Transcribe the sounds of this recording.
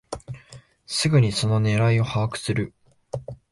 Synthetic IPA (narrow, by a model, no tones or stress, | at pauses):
sɨɡɯ̟ɲ̟iso̞no̞ne̞ɾaio̞haakɯ̟̥sɨɾɯ̟